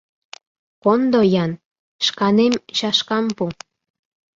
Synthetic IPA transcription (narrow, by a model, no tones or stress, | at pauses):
kond̪ojɑn | ʃkɑnemʃɑʃkɑmpu